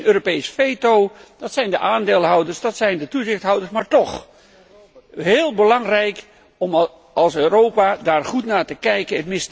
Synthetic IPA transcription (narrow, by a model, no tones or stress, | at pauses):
nøːropejsfejtowd̥ɑtsɛjndəʔaːndeːlˠɦʌwdəɹsdɑtsɛjndətuzɪχtɦʌwdəɹsmaːɹtɔχ | ɦɪːlˠbəlɑŋrɛjk | ɔm | ɑlˠsøːrowpadaːɹχutnaːtəkɛjkəətmɪst